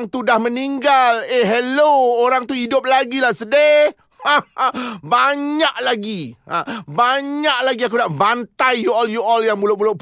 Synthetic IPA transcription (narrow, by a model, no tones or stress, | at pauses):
ŋt̪udahməniŋɡaleɦelooɾaŋt̪uidʊp̚laɡilahsəde | a | baɲaʔlaɡia̰baɲaʔ̚laɡiak̬udaʔbant̪ajjuɔljuɔljaŋbulʊbulʊp